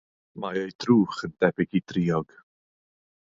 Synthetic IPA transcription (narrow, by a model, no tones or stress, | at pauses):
maejd̥ruːχənd̥ɛbɪɡidriːɔɡ̥